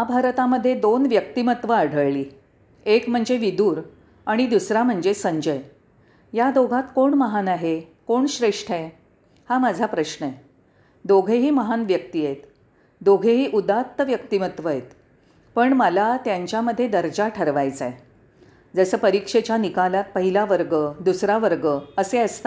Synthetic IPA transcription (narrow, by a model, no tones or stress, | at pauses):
abʱaɾt̪aməd̪ʱːjed̪onʋjək̚t̪imət̪ʋəaɽ̤ʱəɭliː | ekm̤əɳd͡zeʋid̪uːɾ | aɽ̃id̪usɾam̤əɳd͡zesəɲd͡ʑəj | jad̪oɡʱat̪koɳməɦanaɦekoɳɕɾeʂʈʰe | hamad͡zʱapɾəɕɳəe | d̪oɡʱeɦiːməɦanʋjək̚t̪ijet̪ | d̪oɡʱeɦiːʔud̪at̪ːəʋjəkt̪imət̪ʋəɦet̪ | pəɳməlat̪jaɲt͡ɕjaməd̪ʱːjed̪əɾd͡ʑaʈʰəɾʋajd͡zaj | d͡zəsəːpəɾikʂet͡ɕjanikalat̪̚pəɦilaʋəɾɡəd̪usɾaʋəɾɡəəseəst̪a